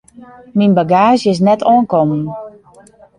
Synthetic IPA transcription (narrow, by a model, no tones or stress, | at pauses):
minbaɡaːʒɪs̬nɛtɔənkɔmən